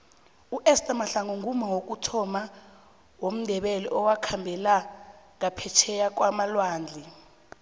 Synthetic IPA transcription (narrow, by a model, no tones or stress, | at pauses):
uʔɛstʼamaɬaŋuŋʱumawok̬ʼutʰɔma | wom̩dʱɛɓɛlɛ̰ʔɔwakʰambʱɛlaŋapʰɛt͡ʃʰɛjak̬ʼwamalwaːnd͡ɮʱi